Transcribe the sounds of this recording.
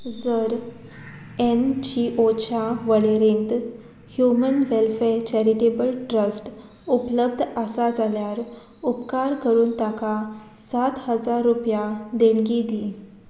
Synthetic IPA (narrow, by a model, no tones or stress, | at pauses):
d͡zəɾ | end͡ʑiʔot͡ɕaʋəɭeɾẽnt̪ | hjumənʋelfeɾt͡ɕɛɾiʈebəlʈɾəsʈ | upləb̚d̪ʱəsad͡zʱaljaɾ | upkaɾkəɾuːnt̪akasat̪həd͡zaɾːupjad̪eɳɡid̪i